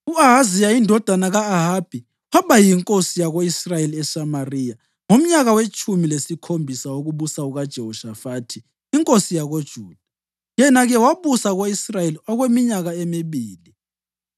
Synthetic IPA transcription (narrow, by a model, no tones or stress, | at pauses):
uaɦazijaindʱɔd̥ʱanaɣaːɦaːb̥ʱi | waβajiŋkʼosijaɣoisrajeliɛsamarija | ŋom̩ɲaɣawet͡ʃʼumilesikʰombʱisawoɣuβusauɣad̥ʒ̥ʱɛɦɔʃafaːtʰiː | ŋkʼosijaɣod̥ʒ̥ʱuːd̥ʱa | jɛnaɣɛwaβusaɣoisrajeliɔɣwemiɲaɣaemiβiːli